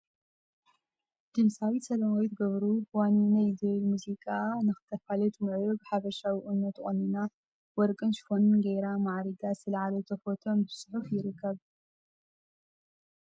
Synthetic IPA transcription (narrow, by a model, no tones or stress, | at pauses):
d̪̥ɨmsawisɐlɐmojt̪ɡɐβɾuwannajzɐlmuzikʼanɨxɨ̥t̪ʰːɐfalɐt̪mɨʕjobɨħaβɐʃawiʔɨnːot̪χʼonɨna | wɔɾkʼɨnʃfonɨnɡeɾamaʕɾiɡasɨlʕalot̪ʰɐfot̪ʰombɨsħufjɪɾɨkʰːɐβ